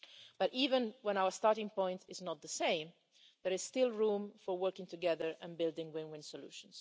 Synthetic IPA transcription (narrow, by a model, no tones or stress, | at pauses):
b̥ʌɾiːvə̃nwɛ̃ñawə˞stɑɹɾɪ̃ŋpɔ̃ɪ̃ntʰɪznɔt̪̚ðəsẽɪ̃m | ðəɹɪz̥stɪlˠɹũːmfɔɹwɜ˞kɪ̃ŋtuɡɛðəɹɛ̃nbɪlˠdɪ̃ŋwɪ̃nwɪ̃nsɔlṵːʃə̃ns